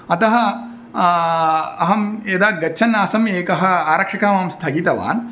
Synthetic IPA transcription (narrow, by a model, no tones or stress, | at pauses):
ɐt̪ɐɦɐ | ɐɦɐmed̪aːɡɐtːʃʰɐnːaːsɐmeːkɐɦɐ̆aːɾɐkʂɐkaːmaːmst̪ʰɐɡiːt̪ɐʋa̰ːn